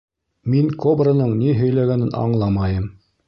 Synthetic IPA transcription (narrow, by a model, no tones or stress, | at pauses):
miŋkobrənɤɴniɦɵ̆jlæɡænɘnʔɑ̰ɴlˠɑmɑjɤm